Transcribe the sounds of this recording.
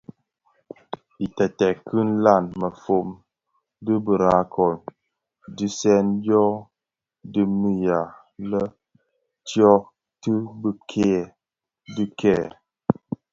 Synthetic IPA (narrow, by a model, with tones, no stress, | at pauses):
i˨tɛ˨tɛ˨kʰɨ˦n˦la˦˨nmə˨fo˨m | dɨ˦bə˨ɾa˨˦kʰɔ˨n | di˦sɛ˦ndɔ˦ | dɨ˦mi˦ja˨ | lə˦ | tjɔ˦ | tɨ˦bə˦kʰe˦˨ | dɨ˦kʰɛ˦˨